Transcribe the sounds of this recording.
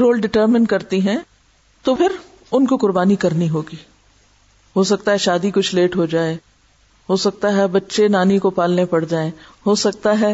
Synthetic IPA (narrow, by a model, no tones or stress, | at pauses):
ɾoːlɖɪʈəːɾmɪnkɐɾt̪iɦɛ̃ | t̪opʰɪɾ | ʊnkokʊɾbaːnikɐɾniɦoːɡiː | ɦoːsɐk̚t̪aɦɛʃaːd̪ikʊt͡ʃʰleːʈɦod͡ʒaːeː | ɦoːsɐk̚t̪aɦɛbɐtːʃenaːnikopaːlnepɐɽd͡ʒaːẽːɦoːsɐk̚t̪aɦɛ